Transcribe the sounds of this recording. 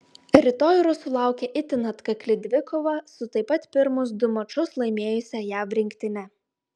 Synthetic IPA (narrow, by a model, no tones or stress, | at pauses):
ɾʲɪt̪oːjʊɾʊsʊlˠɑˑʊkʲɛʔɪt̪ʲɪnɐt̪kɐklʲɪd̪ʲʋʲɪkɔːʋɐsʊt̪ɐɪpɐt̪pʲɪɾmʊs̬d̪ʊmɐt͡ʃʊslˠɐɪmʲeːjʊsʲɛjæːfɾʲɪŋʲkʲt̪ʲɪnʲɛ